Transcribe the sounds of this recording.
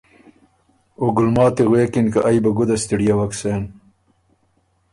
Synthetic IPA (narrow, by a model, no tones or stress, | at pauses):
oɡʊlmɑːt̪eɣweːkɪnkaʔajbaɡʊd̪ast̪iɽijawaksen